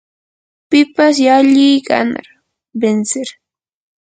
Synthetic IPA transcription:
pɪpas̬jaʎɪjka̰na̰ɾ | bensɪɾ

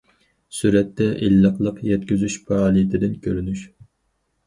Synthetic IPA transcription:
syɾɛt̪ːɛʔilːəqlˠəqjɛt̪kʲyzyʃpʰɑːlˠit̪ʰɪd̪ɪnkʲʰøɾynyʃ

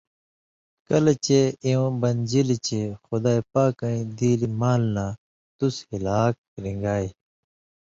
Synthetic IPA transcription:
kɐlet͡ɕeiũbɐnd͡ʑilit͡ɕexud̪aːjpaːkɐ̃ĩd̪iːlimaːlnaː | t̪ushilaːk̚ː | ɾĩŋɡaːi

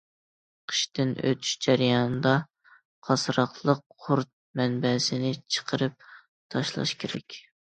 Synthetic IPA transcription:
qʰə̥ʃt̪ɪnʔø̰t̪ʰy̥ʃd͡ʒæɾjɑnɨd̪ɑ | qʰɑsɾɑχlˠəqʰʊɾt̪̚mɛnbɛsɪnɪt͡ʃʰə̥qʰəɾɨp̚ | t̪ʰɑʃlˠɑ̰ʃkʲʰeɾɛkʲ

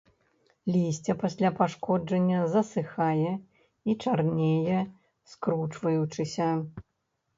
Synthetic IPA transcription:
lʲisʲt͡sʲɐpasʲlʲapaʂkɔd͡ʐɐnʲːɐzɐsɨxajɛ | it͡ʂarnʲejɛ | skɾut͡ʂvɐjut͡ʂɨsʲɐ

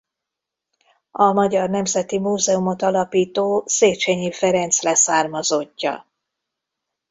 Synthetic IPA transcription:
ɒmɒɟɒrnɛmzɛt̪imuːzɛumo̞t̪ɒlɒpiːt̪oːseːt͡ʃɛɲifɛɾɛnt̪slɛsaːrmɒzocːɒ̰

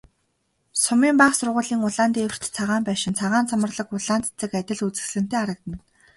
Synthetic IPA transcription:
sʊmiːmpaχsʊrʁʊːɮiːŋʊɮaːnt̪iewr̥t̪t͡sʰaʁaːmpæːʃɪ̆nt͡sʰaʁaːnt͡sʰamə̆rɮə̆kʊɮaːnt͡s̪t͡sɘ̆kæt̪ʲɪ̆ɮut͡sɘ̆xsɮɘ̆n̥t̪eːaɾə̆k̚t̪ə̆n

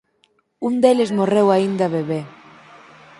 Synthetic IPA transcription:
und̪elezmorewaind̪aβeβe

